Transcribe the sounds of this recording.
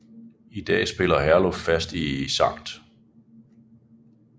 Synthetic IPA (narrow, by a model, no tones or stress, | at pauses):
id̥ɛ̰ːsb̥e̝lɐɦæɐlɔffæsd̥isɑ̈ŋ̰d̥